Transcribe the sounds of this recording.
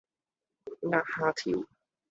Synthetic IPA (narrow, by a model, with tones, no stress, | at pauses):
ŋaː˥haː˥t̪ʰḭ˨˦w